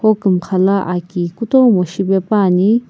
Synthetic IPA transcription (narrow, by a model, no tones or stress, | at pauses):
hokɨmkʰalaʔakikut̪owmoʃibepani